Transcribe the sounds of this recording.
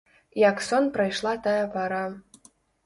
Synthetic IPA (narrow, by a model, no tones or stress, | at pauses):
jaksonpɾajʂlˠɑt̪ajapaɾa